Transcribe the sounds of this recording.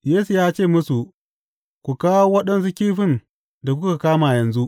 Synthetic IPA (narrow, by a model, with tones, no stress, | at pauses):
jeː˦su˨jaː˦t͡ʃeː˦˨mʊ˦su˨ʔ | kʷu˨kaː˦wo˦wɐ˦ɗɐ˦ns̬u˦kʲiː˦ɸɪ˦˨n | da˨kʷka˨kaː˦maː˨jɐ˨nzu˦ʔ